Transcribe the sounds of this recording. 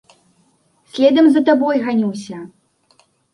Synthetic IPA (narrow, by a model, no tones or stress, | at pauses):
sʲlʲɛd̪ɐmzɐt̪abɔjɣanʲiwsʲɐ